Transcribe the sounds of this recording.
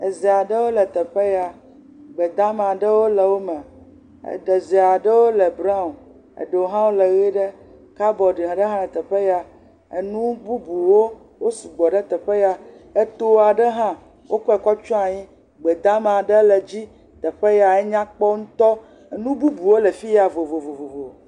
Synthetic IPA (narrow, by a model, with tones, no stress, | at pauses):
e˨zi˨a˨ɖə˦wo˦lɛ˨t̪ɛ˨ɸe˦ja˨ | ɡ͡bɛ˨d̪ã˦me˨a˨ɖə˦wo˦le˨wo˦mɛ̰̃˨ | ɖe˨zi˨a˨ɖə˦wo˦le˨bɾa˦˨ | ḛ˨ɖo˨ɦã˦wo˦le˨ɣi˦ɖe˦ | ka˦bɔ˨ɖi˨ɦã˨ɖe˦ɦã˦lɛ˨t̪ɛ˨ɸe˦ja˨ | ḛ˨nũ˦bu˦bu˨wo˦ | wo˦si˨ɡ͡bɔ˨ɖe˦t̪ɛ˨ɸe˦ja˨e˦t̪o˦a˨ɖɛ˦ɦã˦ | wʔo˦kɛ˨kɔ˦t͡ʃɔ˦a˨ɲĩ˦ | ɡ͡bɛ˨d̪ã˦m˨a˨ɖe˦le˨d͡ʑi˦ | t̪ɛ˨ɸe˦ja˨ɛ˦ɲã˦k͡pɔ˦ŋũ˦t̪ɔ˦˨ | nũ˦bu˦bu˨wo˦le˨fi˦ja˨vo˨vo˨vo˨vo˨vo˨